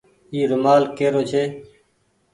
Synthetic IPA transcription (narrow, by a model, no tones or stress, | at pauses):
iːɾʊmaːlkeːɾoːt͡ʃʰeː